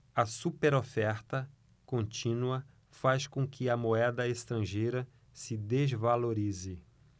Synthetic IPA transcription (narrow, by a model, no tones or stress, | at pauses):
ɐsupeɾofɛɾt̪ɐ | kõnt͡ʃĩnuɐ | faskõkʰɪɐmoɛd̪ɐest̪ɾɐ̃ʒejɾɐ | sɪd̪ezvaloɾizɪ